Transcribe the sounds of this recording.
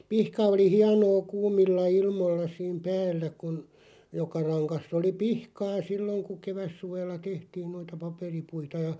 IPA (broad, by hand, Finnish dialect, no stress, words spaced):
pihkɑ oli hiɑnoː kuːmilːɑ ilmoĭlːɑ siːm pæːlːæ kun jokɑ rɑŋkɑsː oli pihkɑː silːoŋ ku keʋæsːuʋelːɑ tehtiːn noitɑ pɑperipuitɑ jɑ